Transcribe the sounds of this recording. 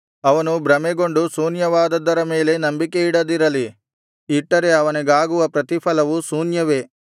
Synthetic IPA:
ɐʋɐnubɾɐmɛɡo̞ɳɖusuːnjɐʋaːd̪ɐd̪ːɐɾɐme̞ːle̞nɐmbike̞iɽɐd̪iɾɐli | iʈːɐɾe̞ɐʋɐniɡaːɡuʋɐpɾɐt̪ipʰɐlɐʋusuːnjɐʋe̞

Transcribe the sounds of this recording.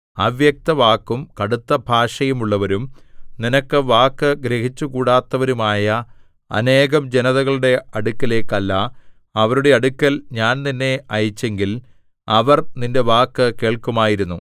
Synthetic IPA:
ɐʋjɐk̚t̪ɐʋaːkːumkɐɽut̪ːɐbʱaːʂɐjumuɭːɐʋɐɾumninɐkːɨʋaːkːɨɡɾeɦit͡ɕːukuːɽaːt̪ːɐʋɐɾumaːjɐ | ɐ̰ne̞ːɣɐmd͡ʑenɐðɐɣɐɭuɽe̞ɐɽukːɐle̞ːkːɐlːɐː | ʋɐɾuɽe̞ɐɽukʲːɐlɲaːnninːe̞ɐjit͡ɕːe̞ŋɡil | ɐʋɐrninde̞ʋaːkːɨkeːɭkumaːjiɾunːu

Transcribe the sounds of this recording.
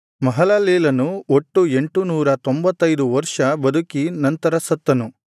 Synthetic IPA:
mɐɦɐlɐleːlɐnuoʈːue̞ɳʈunuːɾɐt̪o̞mbɐt̪ːɐjd̪uʋɐɾʂɐbɐd̪ʱukinɐnt̪ɐɾɐsɐt̪ːɐnu

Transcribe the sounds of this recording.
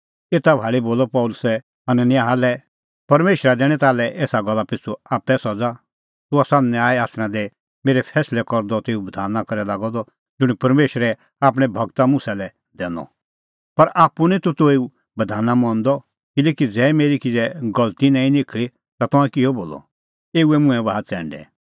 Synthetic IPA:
eːt̪abʱaːliboːlɔpɔʊlʊsɛ | ɐnənjaːɦalɛ | pɐɾmeːʃɾad̪ɛːɽ̃ɛ̃t̪aːlɛʔeːsaɡɔlːapɪt͡sʰːuaːpɛsɔd͡za | t̪ʊasaːnnɛ̃aːɛaːsñãd̪ɛ | meːɾɛpʰɛːslɛkɔɾd̪ɔt̪eːubɐd̪ʱaːnːakɐɾɛlaːɡɔd̪ɔ | d͡ʒʊɽ̃ipɐɾmeːʃɾɛ | aːp̬ɽ̃ɛbʱɐɡt̪amʊ̃sɛlɛ | d̪ɛːnɔ̰ | pɐɾʔaːpːunit̪ut̪oːeu | bɐd̪ʱaːnamɔ̃nd̪ɔ | kɪlɛːkid͡zɛːmeːɾikid͡zɛɡɐlt̪inãːĩnɪkʰli | t̪at̪ɔ̃ãkɪɔboːlɔ̰ | eːuɛmʊ̃ɛ̃baɦat͡sɛ̃ːɳɖɛ̰

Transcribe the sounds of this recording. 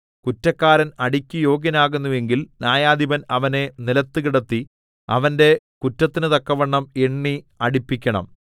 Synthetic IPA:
kutːɐkːaːɾɐnɐɽikʲːujo̞ːɡɐnaːɣunːuʋe̞ŋɡilnjaːjaːd̪ʱibɐnɐʋɐne̞nilɐt̪ːɨkiɽɐt̪ːi | ɐ̰ʋɐnde̞ | kutːɐt̪ːinɨt̪ɐkːɐʋɐɳːɐme̞ɳːi | ɐɽipːikʲːɐɳɐ̰m

